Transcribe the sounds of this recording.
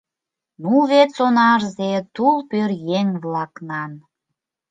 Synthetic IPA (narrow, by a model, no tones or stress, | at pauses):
nuβet͡sonɑrzet̪ulpørjeŋβlɑknɑn